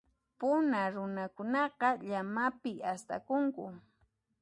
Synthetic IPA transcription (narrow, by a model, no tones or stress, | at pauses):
pʊnaɾʊnakʊnɑqɑʎamapɪast̪a̰kʊŋkʊ